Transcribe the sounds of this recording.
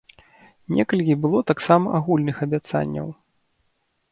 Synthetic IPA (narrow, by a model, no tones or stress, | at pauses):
nʲɛkɐlʲkʲibɨlˠɔt̪aksamɐʔaɣulʲnɨxɐbʲat̪sa̰nʲːɐ̰w